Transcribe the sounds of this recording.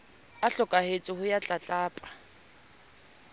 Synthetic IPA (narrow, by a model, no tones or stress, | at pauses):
aɬɔkʼahet͡sʼɪhʊjat͡ɬʼat͡ɬʼaːpʼḁ